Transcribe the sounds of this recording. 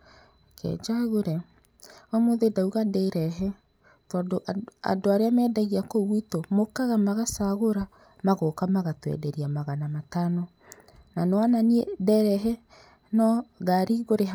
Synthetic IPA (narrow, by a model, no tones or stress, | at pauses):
kʰɛ̰d͡ʒaɣoɾɛ | ɔmoðedauɣadɛiɾɛɦɛ | tɔdoʔa̰doaɾeamɛːdaɣiakoɣwitomokaɣamaɣasaɣoɾa | maɣokamaɣatwɛ̰dɛɾiamaɣanamatanɔ | nanwananiedɛɾɛɦɛ | nɔɣaɾiɣoɾe